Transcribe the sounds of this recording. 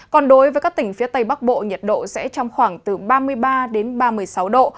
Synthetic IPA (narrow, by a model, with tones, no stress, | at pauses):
kɔ˧nɗo˨˦jvəː˨˦kaː˦˥k̚t̪ï˧˩ŋ̟fi˨˦ət̪ə˧jɓa˦˥k̚ɓo̰˧˨ɲə˨˩t̚ɗo̰˧˨sɛ̰˧˥t͡ɕɔ˧wŋ͡mxwaː˧˩ŋt̪ɨ˨˩ɓaː˧mɨ˧əjɓaː˧ɗe˨˦nɓaː˧mɨ˧əjjsa˨˦wɗo̰˧˨